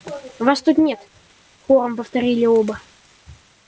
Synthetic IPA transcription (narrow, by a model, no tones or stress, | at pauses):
vast̪ut̪nʲet̪ | xoɾəmpəft̪ɐɾʲilʲɪobə